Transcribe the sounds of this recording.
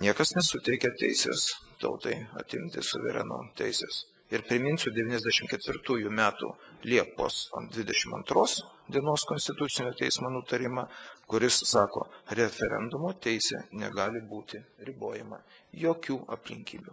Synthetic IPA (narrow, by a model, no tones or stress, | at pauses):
nʲiɛkɐsnʲɛsʊt̪ʲɛɪkʲɛt̪ʲɛ̰ɪsʲḛːst̪ɐ̰ʊt̪ɐɪɐ̰t̪ʲɪmʲt̪ʲɪ̰sʊ̰ʋʲɛ̰ɾʲɛ̰no̰ːt̪ʲɛ̰ɪsʲḛːs | ɪɾpʲɾʲɪmʲɪnʲsʲʊːd̪ʲɛʋʲiːnʲɛzʲd̪ʲæɛʃʲɪmkʲɛt̪ʲʋʲɪɾt̪uːjumʲæːt̪ṵːlʲiɛpo̰ːsd̪ʲʋʲɪd̪ʲɛʃʲɪmɐ̰nt̪ɾoːs | d̪ʲiɛnoːskonʲst̪ʲɪt̪ʊt̪sʲɪnʲuːt̪ʲɛɪsmoːnut̪ɐɾʲɪmɐkʊɾʲɪsːɑːko̰ːɾʲɛfʲɛɾʲɛ̰nd̪ʊmoːt̪ʲɛɪsʲḛnʲɛ̰ɡɑːlʲɪbuːt̪ʲɪɾʲɪboːjɛmɐ̰joːkʲuːʔɐ̰pʲlʲɪŋʲkʲiːbʲu